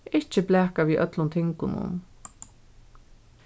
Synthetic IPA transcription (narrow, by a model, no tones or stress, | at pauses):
ɪt͡ʃɪblɛːkaʋiːʔœ̰t̪lʊnt̪ʰɪŋkʊnʊ̰n